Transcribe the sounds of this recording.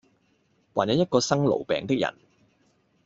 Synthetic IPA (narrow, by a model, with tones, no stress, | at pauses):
waː˨˩jɐ˨˧wjɐ˥t̚kɔː˧sɐ˥ŋlo̰˨˩wpɛ̰ː˨ŋt̪ɪ˥k̚jɐ̰˨˩n